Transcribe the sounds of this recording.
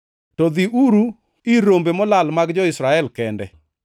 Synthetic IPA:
tɔðiʔuɾu | iɾombemɔlalmaɡd͡ʒɔɪsɾaɛlkɛndɛ̰

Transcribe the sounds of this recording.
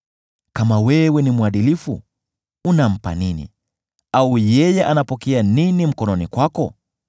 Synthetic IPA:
kamawɛwɛnimuaɗilifṵ | unam̩pa̰ninḭ | aujɛjɛʔanapɔkɛaninim̩kɔnɔnikwakɔ

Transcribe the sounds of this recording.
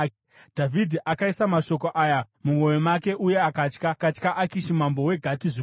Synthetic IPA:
dʱavʱidʱiʔakaisamaʃo̞ko̞ʔaːja | mumwo̞jomake̞ʔuje̞akat͡ʃkakat͡ʃkaʔakiʃimambo̞we̞ɡʱatiʐi

